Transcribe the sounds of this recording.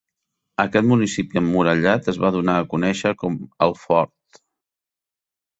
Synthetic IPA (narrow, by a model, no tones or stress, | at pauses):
əkɛt̪munisipiəmːuɾəʎat̪əzβaðunaəkunɛʃəkɔmə̰lˠfɔɾt̪